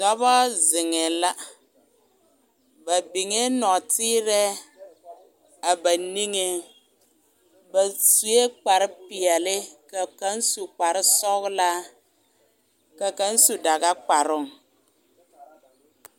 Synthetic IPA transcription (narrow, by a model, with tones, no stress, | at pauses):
dɔ˦bɔ˦zɪ˨ŋɛ˨la˦ | ba˨bi˨ŋe˦nɔ˨tiː˦ɾɛ˦ | a˨ba˨ni˦ŋe˦ | ba˨su˨e˦k͡pa˨ɾɪ˦pi˨ɛ˨lɪ˦ka˨ka˦n˦su˨k͡pa˨ɾɪ˦sɔ˦ɡla˦ | ka˨ka˦n˦su˨da˨ɡa˦k͡pa˨ɾʊ˦˨ŋ